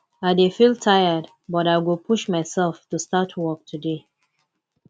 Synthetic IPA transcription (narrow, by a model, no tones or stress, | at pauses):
aɪdefilˠtʰaɪəd | bɔɾaɪɡopʰuʃmaɪsɛlˠftustatʰwɔk̚tʰude